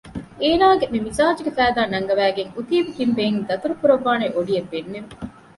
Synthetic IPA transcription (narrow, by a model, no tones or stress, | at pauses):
eːnaːɡemimizaːd͡ʒuɡefæːd̪aːnɐŋɡɐʋæːɡeŋut̪iːbikimbeŋd̪ɐt̪uɾukuɾɐʋːaːneʔoɖijɐʋːenːem